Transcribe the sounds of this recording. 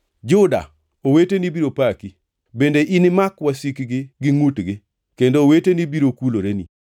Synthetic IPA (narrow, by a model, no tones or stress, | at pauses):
d͡ʒʊda̰ | owetenibiɾopaki | bendeʔinɪmakwasikɡɪɡɪŋutɡɪ | kendowetenibiɾokuloɾenḭ